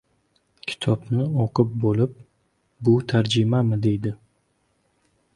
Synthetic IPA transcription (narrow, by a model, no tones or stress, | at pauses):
kʲʰɪ̥t̪ʰɒbnɪoqɨp̚bolɪp̚ | bʊt̪ʰaɾd͡ʒɪmamɪd̪e̞jd̪ɪ